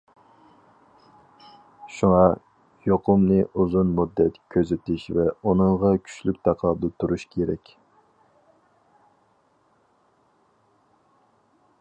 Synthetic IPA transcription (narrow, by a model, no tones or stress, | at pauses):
ʃuŋɑ | joqʰʊmnɨʔuzunmud̪ːɛt̪kʲʰøzɪt̪ɪʃvɛunɨŋʁɑkʲʰy̥t͡ʃlykʲt̪ʰɑqʰlˠɑd̪ɨt̪ʰuɾuʃkʲʰeɾɛ̰kʲ